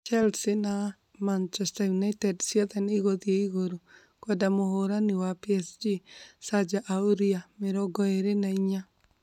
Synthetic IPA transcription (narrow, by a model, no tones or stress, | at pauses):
t͡ʃɛlsɪna | mant͡ʃɛstajunajtɛdsjɛðɛniɣoðjeiɣoɾo | kwɔdamoɦoɾanɪwapiɛsd͡ʒisad͡ʒaʔaoɾiamɪɾɔɡɔeɾenaiɲa